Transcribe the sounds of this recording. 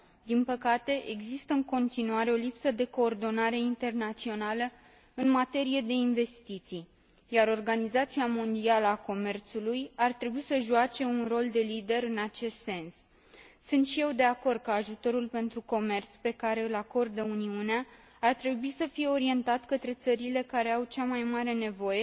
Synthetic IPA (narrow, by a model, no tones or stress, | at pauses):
d̪inpəkat̪e̞ʔeɡzist̪əɨŋko̞nt̪inuaɾe̞o̞lipsəd̪e̞ko̞ːrd̪o̞naɾe̞int̪e̞rnat̪sio̞nalə | ɨnmat̪e̞ɾije̞d̪e̞inve̞st̪it̪sij | jaɾo̞rɡanizat̪siamo̞nd̪ialəako̞me̞rt̪sulujart̪ɾe̞buisəʒuat͡ʃe̞unro̞ld̪e̞lid̪e̞ɾɨnat͡ʃe̞st̪se̞ns | sunt̪ʃije̞wd̪e̞ako̞rd̪̚kəaʒut̪o̞ɾulpe̞nt̪ɾuko̞me̞rt̪spe̞kaɾe̞ɨlako̞rd̪əuniuneaː | rt̪ɾe̞buisəfije̞o̞ɾie̞nt̪at̪kət̪ɾe̞t̪səɾile̞kaɾe̞awt͡ʃamajmaɾe̞ne̞vo̞je̞